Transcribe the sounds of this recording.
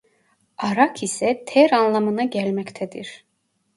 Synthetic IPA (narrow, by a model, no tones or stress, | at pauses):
ɑɾakʰisɛt̪ʰɛɾanlˠamɯnaɟælʲmæct̪ʰæd̪iɾ̥